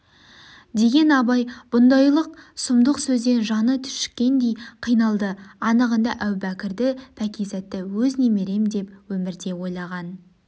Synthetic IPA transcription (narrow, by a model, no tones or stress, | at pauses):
d̪e̞ɡʲe̞nɑbɑjb̥ʊnd̪ɑjlˠəq̚sʊmd̪əqsɵzd̪e̞nʒɑnət̪ʰʏ̥ʃkʲːe̞nd̪e̞jqʰijnɑlˠd̪əɑnəʁənd̪ɑʔæwbækʲɪɾd̪ɪpʰækʲijzæt̪ːɪwɵzneme̞ɾe̞md̪e̞p̚wɵmɪɾd̪e̞wo̞jlˠɑʁɑn